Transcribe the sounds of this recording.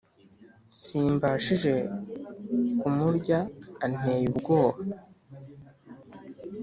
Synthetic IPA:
siːmbaʃiʒe̞ | kumuɾɟaːn̥e̞ːjubɡo̞ːβa

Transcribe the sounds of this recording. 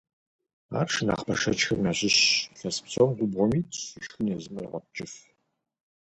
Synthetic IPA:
a̰ːrʂna̰ːχpʰɐ̰ʂɐt͡ʃxɨmnaːɕɪɕɬɐspsɐwmɡʷʊbʁʷɔmiːtʰiʃxɨnɛzɨmr̰ʁʷɐp̚t͡ʃʼɪf

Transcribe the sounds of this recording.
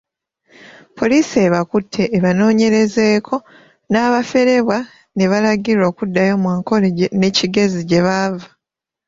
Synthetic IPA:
pʰo̞lisieːβakutʰːe̞ːβano̞ːɲe̞ɾe̞ze̞ːkʰo̞ | naːβafe̞ɾe̞βwa | ne̞βalaɡiɾo̞ːkudːajo̞mwaːŋko̞leɟene̞ciɡe̞ziɟe̞βavḁ

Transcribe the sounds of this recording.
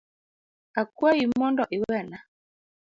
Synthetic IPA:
akuajimɔndɔʔiwɛna

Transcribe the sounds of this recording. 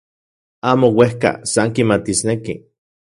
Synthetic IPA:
aːmowehka̰saŋkimat̪isnekḭ

